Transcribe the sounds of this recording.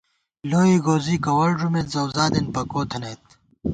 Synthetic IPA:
loːiːɡoːziːkɐwɐlʐumezɐwzaːd̪enpɐkoːt̪ʰɐnet̪̚

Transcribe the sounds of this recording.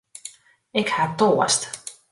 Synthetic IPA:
ɪkhatoəst

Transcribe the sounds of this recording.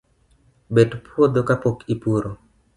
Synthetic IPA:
bedpwod̪okapokipuɾo

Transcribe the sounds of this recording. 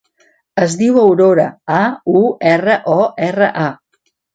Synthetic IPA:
əzðiwəwɾoɾəauɛrəʔɔɛrəʔa

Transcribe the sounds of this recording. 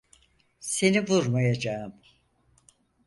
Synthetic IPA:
se̞nivuɾmajad͡ʒaɯm

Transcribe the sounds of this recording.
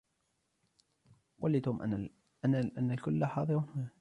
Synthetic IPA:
walːit̪uːmʔ | anʔanːalkʊlːaħɑːðˤɨɾunha

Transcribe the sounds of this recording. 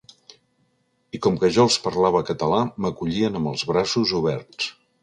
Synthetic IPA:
ikɔmkəʒɔəlˠspəɾlaβəkət̪əlaməkuʎiənəmbəlˠzβɾasuzuβ̞ɛɾs

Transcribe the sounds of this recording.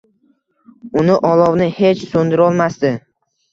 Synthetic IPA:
ʊnɪʔɒlˠɒwnɪhe̞t͡ʃsond̪ɪɾɒlˠmasd̪ɪ

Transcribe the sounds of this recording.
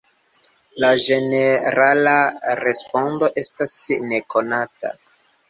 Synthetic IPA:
laʒe̞ne̞ɾalaɾe̞spo̞ndo̞ʔe̞stasne̞ko̞nata̰

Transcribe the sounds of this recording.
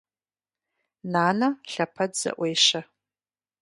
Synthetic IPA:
naːnɐɬɐpʰɐdz̥ɐ̰ʔʷejʃɐ

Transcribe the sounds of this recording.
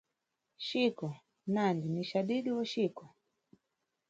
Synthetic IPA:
ʃikɔ | nandiniʃaɗiɗiwaʃikɔ

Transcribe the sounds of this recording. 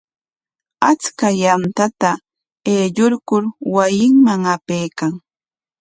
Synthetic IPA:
at͡skajant̪at̪a | eːʎoɾkʊɾwajɪŋmaŋapejkaŋ

